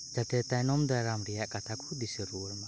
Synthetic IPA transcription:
d͡ʒat̪ɛt̪ajnɔmd̪aɾamɾijaʔkʼat̪ʰakʰud̪isɛɾuɾma

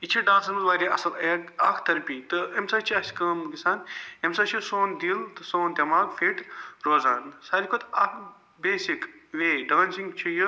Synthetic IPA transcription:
it͡ʃʰiɖãːnsɐnmɐzʋaːɾʲiʔɐ̰sɐlɐɡɐkʰt̪ɐɾpiːt̪ɨemsaːt͡ʃʰiɐsʲkɐːmɡisaːnemsaːt͡ʃʰisoːnd̪ilt̪ɨsoːnd̪ʲɐmaːkfiʈɾoːzaːnsaːɾikʰot̪ɐkʰ | beːsikʋeːɖaːnsiŋɡt͡ʃʰiju

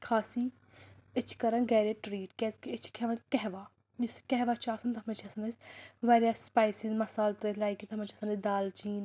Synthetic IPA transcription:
kʰaːsiː | ɪt͡ʃʰkɐɾɐnɡɛːɾeːʈɾiːʈkɛːzkɪt͡ʃʰkɛʋɐnkɛɦʋaː | jʊskɛɦʋaːt͡ʃʰaːsɐnt̪ɐmɐt͡ʃʰɐsɐnɐsʋaːɾjaːspaːjsizmɐsaːlt̪ɾelaːikit̪ʰɐmɐnt͡ʃʰɐsɐnɐsd̪aːlt͡ʃiːn

